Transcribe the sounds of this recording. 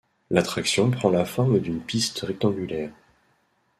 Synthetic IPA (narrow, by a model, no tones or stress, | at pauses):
lat̪χaksjɔ̃pχɑ̃lafɔʁmd̪ynpist̪ʁɛk̚t̪ɑ̃ɡylɛːʁ